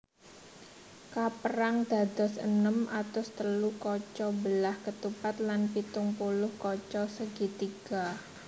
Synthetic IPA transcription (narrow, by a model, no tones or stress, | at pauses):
kapəɾaŋd̪̥a̤d̪ɔsə̰nəmat̪ʊst̪əlukɔt͡ʃɔbəlahkət̪upat̪̚lanpit̪ʊŋpulʊhkɔt͡ʃɔsəɡ̥it̪iɡ̥a